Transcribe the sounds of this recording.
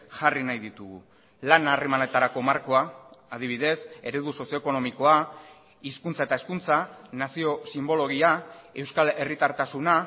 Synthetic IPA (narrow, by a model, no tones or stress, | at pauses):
ʝarinajðit̪uɣu | lanaremanet̪aɾako̞maɾko̞aːð̞iβ̞iðe̞se̞ɾe̞ðuso̞sio̞eko̞no̞miko̞a | iskunt͡sae̞t̪ae̞skunt͡sanasio̞simbo̞lo̞ɣ̞iae̞wskale̞rit̪aɾt̪asuna